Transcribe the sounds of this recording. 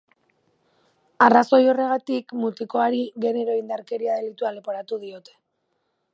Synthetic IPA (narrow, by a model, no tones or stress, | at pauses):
araso̞jo̞re̞ɣat̪ikmut̪iko̞aɾiɣe̞ne̞ɾo̞ind̪aɾke̞ɾiaðe̞lit̪ualepo̞ɾat̪uðio̞t̪e̞